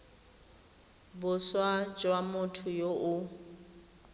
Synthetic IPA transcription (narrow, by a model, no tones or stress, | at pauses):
bʊswad͡ʒwamʊtʰʊjoʔʊ